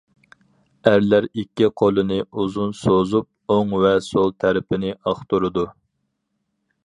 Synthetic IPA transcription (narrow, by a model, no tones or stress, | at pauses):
æɾlæɾikʲːiqʰolˠɨnɨuzunsozup̚oŋvɛsolˠt̪ʰæɾɪpʰɪnɪʔɑχt̪uɾɨd̪u